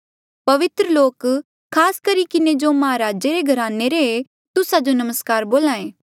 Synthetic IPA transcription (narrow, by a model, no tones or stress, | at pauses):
pɐʋɪt̪ɾəloːk | kʰːaːskɐɾikɪned͡ʒomɐɦaɾaːd͡ʒeɾeɡʱɐɾaːneɾee | t̪ʊsad͡ʒonɐməskaːɾboːlãːẽː